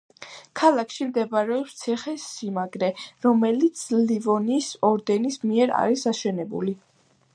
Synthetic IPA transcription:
kʰalˠakʰʃimd̪ɛbaɾɛɔpst̪sʰiχɛsimaɡɾɛɾɔmɛlit̪sʰlivɔnisɔɾd̪ɛnismiɛɾa̰ɾisaʃɛnɛbṵli

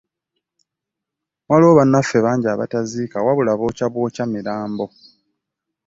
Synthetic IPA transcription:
mwalo̞ːβanːafe̞βaːɲɟaːβa̰taziːkawaβulaβo̞ːcaβwo̞ːcamiɾaːmbo̞

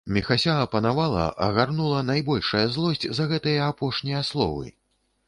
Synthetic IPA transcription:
mʲɛxasʲaɐpɐnavalˠɐ̰ʔɐ̰ɣarnulˠɐnajbɔlʲʂɐjɐzlˠɔsʲt͡sʲzɐɣɛt̪ɨjɐapɔʂnʲijɐslˠɔ̰vɨ̰

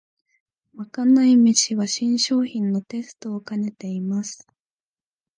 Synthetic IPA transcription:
βakanaimit͡ɕiβaɕĩɰ̃ɕo̞ːçĩnːo̞t̪e̞sɨ̥t̪o̞ːkane̞t̪e̞imasɨ̥

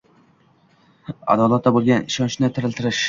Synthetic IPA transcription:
a̰d̪ɒlˠat̪ːabolˠɡʲanɪʃɒnt͡ʃnɪt̪ʰɪɾɪlt̪ɪɾɪʃ

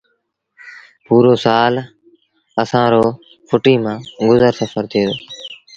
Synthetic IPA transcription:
puːɾoːsaːl | əsãːɾoː | fʰʊʈiːmãːɡʊzəɾsəfəɾt̪ʰeːd̪oː

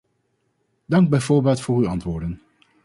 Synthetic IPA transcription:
dɑŋɡbɛjvoːɹbɛːtfʊːryɑntʋʊːɹdən

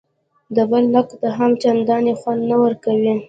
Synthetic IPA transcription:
d̪əbəlːakt̪aɦamt͡ʃand̪ɑnexwand̪nawəɾkawi

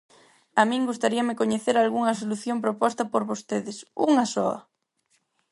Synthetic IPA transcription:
amĩŋɡust̪aɾiɐmɪkoɲeθeɾalɣuŋɐs̬oluθjompɾopɔst̪ɐpoɾβost̪eðɪsuŋɐsɔɐ̰

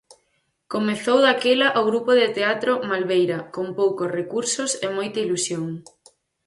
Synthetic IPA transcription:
komeθowðakelɐʔoɣɾupoðɪt̪eat̪ɾomalβejɾɐkompowkosrekuɾsosemojt̪ɐilusjoŋ

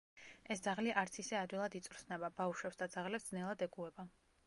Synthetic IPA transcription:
ɛsd̪zaʁliʔaɾt̪sʰisɛad̪wilˠad̪it̪sʼɾsnɛbabauʃwɛpsd̪ad̪zaʁlɛpsd̪znɛlˠad̪ɛɡuɛba

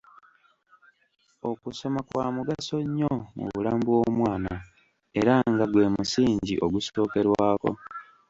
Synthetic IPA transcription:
o̞kuso̞makwaːmuɡaso̞ɲːomṵβulaːmbuwo̞mwaːna | e̞ɾaŋɡaɡwe̞ːmusiːɲɟiʔoɡuso̞ːke̞ɾwaːko̞̰

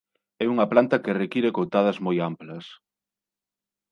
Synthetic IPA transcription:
ɛuŋɐplant̪ɐkerekiɾekowt̪að̞ɐzmojamplɐs

